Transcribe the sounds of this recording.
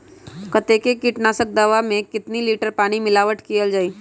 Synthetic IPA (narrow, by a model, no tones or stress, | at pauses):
kət̪ekekiʈnaːsək̚d̪əʋamẽkɪt̪niliːʈəɾpaːɽ̃imɪlaːʋəʈkijəld͡ʒaːiː